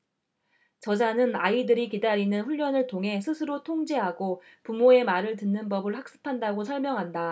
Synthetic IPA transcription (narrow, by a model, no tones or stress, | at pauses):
t͡ɕʌd͡ʑanɯnaidɯɾikidaɾinɯnɸuʎːʌnɯɭtʰoŋɦe̞sʰɯsʰɯɾotʰoŋd͡ʑe̞ɦaɡo | pumoe̞maɾɯɭtɯnːɯnbʌbɯɭɸak̚s͈ɯ̥pʰandaɡosʰʌɭmjʌŋɦanda